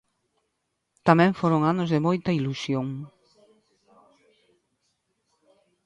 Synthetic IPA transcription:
t̪amɛ̃ɱfoɾʊŋanʊzðɪmojt̪ɐilusjoŋ

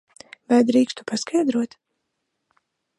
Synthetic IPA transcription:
vajd̪ɾiːkst̪u̥paskʰajd̪ɾuɔt̪

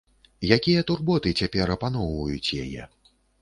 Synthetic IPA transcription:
jakʲijɐt̪urbɔt̪ɨt͡sʲapʲɛɾɐpan̪ɔwvɐjut͡sʲja̰jɛ̰

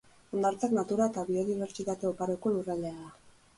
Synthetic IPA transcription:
o̞nd̪aɾt͡saknat̪uɾae̞t̪aβio̞ðiβ̞e̞ɾt͡ʃit̪at̪e̞o̞paɾoko̞lurald̪e̞aða

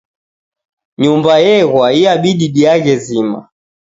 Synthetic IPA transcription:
ɲumbajɛɣwaiaɓiɗiɗiaɣɛzima̰

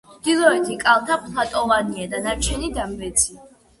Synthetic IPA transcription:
md̪̥ilˠɔɛt̪ʰikʼalˠt̪ʰapʰlˠat̪ʼɔvaniad̪anaɾt͡ʃʰɛnid̪ambɛt̪sʰi

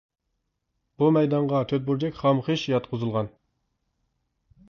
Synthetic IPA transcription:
b̥umɛjd̪ɑɴʁɑt̪ʰøt̪̚buɾd͡ʒɛkʲχɑmχeʃjɑt̪̚qʰʊzɨlˠʁɑn

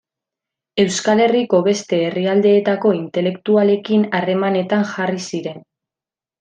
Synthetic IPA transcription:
e̞wskale̞riko̞βe̞st̪e̞ːriald̪e̞ːt̪ako̞int̪e̞le̞kt̪uale̞kinare̞mane̞t̪aŋxarisiɾe̞n

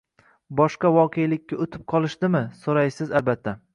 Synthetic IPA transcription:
bɒʃqɑvɒqʰejlɪkʲːaʊt̪ʰɪ̥p̚qʰɒlˠɪʃt̪ɪmɪsoɾajsɪzalbat̪ʰːa

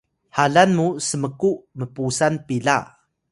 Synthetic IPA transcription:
haɮanmusəməkuʔməpusanpiɮa̰

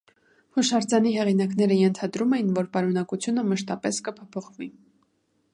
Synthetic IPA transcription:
huʃɑɾd͡zɑniɦɛʁinɑknɛɾəjɛnt̪ʰɑd̪ɾumɛjinvɔɾpɑɾunɑkut͡sʰjunəməʃt̪ɑpɛskəpʰɔpʰɔχvi

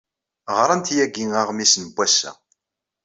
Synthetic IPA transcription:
ʁɾˤɑnt̪jæɡiŋaʁmisnəbʷːæsæ̰

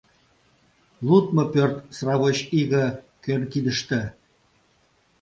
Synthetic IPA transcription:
lut̪mɤ̆pørt̪srɑβoɕiɣə̆ | kenk̪id̪ə̆ʃt̪ɘ̆

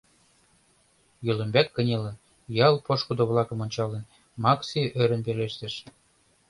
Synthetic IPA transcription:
jølə̆mbæt̪̚kə̆nʲelə̆n | jɑlˠpoʃkud̪ŏβlˠɑkə̆monʲt͡ɕɑlen | mɑksiʔøɾə̆npeleʃt̪ĕʃ

